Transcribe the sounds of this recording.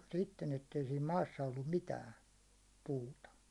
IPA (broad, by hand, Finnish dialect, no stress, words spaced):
sitːen etːei siːm mɑːsːɑ olːum mitæːn̞ puːtɑ